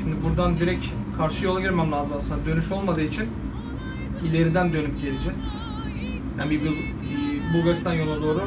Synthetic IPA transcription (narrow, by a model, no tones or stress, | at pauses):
ʃimd̪ibuɾd̪and̪iɾɛc | kʰaɾʃɯjo̞lˠaɟʲiɾmamlʲˠaːzɯmasɯnd̪ad̪ø̞nyʃo̞lˠmad̪ɯːit͡ʃʰin | ilʲe̞ɾid̪ænd̪ø̞nypɟe̞lʲed͡ʒɛz̥ | hænbibulː | bulˠɡaɾst̪ʰanjonˠud̪o̞ːɾu